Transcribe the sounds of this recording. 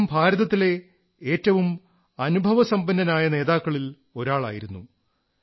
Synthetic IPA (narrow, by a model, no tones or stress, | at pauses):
mbʱaːɾɐðɐt̪ːile̞ | e̞ːtːɐʋum | ɐnubʱɐʋɐsɐmbɐnːɐnaːjɐne̞ːðaːkːɐɭil | o̞ɾaːɭa̰ːjiɾunːu